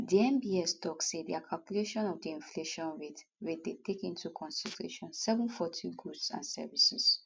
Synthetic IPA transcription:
diɛ̃mbiɛstɔkssediakʰalkjuleʃɔ̃nɔvdiĩnfleʃɔ̃nɹetɹet̚detekĩntukʰɔ̃nsiltʰɹḛʃɔ̃nsɛvɛ̃nfɔtʰĩɡɹusã̰nsɛ̰visis

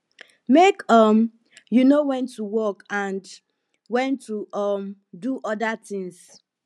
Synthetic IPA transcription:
mekɔm | junowɛ̃ntːuwɔkãnd | wɛ̃ntʰːuʔʌm | duʔɔdatɪ̃ŋs

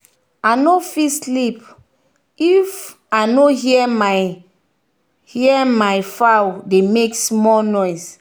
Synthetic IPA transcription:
anofislip | if | anoɦiɛma | hiɛmaɪfawdemeksmɔlnɔjs

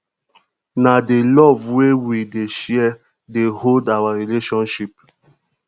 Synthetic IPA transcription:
nadelɔvwewideʃɛɛ | deholdawaɾileʃɔ̃nʃip̚

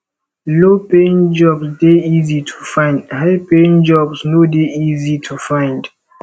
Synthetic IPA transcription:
lopẽŋd͡ʒɔbsdeizitʰu̥fãɪ̃ndhaɪpẽŋd͡ʒɔbsnodeizitʰufãɪ̃nd

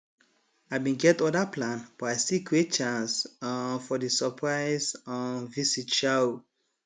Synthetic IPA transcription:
abĩnɡɛtɔdaplãnb̥aɪsikʰɹet̚t͡ʃãnsfɔdisəpʰɹaɪzɔ̃nvisitʃao

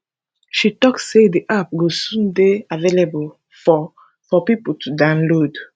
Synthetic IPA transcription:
ʃitɔksːediʔap̚ɡosũndeavelebol | fɔ | fɔpipultʰudãnlod

